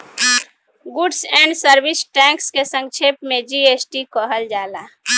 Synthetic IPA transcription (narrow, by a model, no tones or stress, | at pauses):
ɡuɖsɛ̃ɳɖsəɾbisʈɛ̃kskesə̃ŋt͡ʃʰepmẽd͡ʒiesʈikəɦəld͡ʒala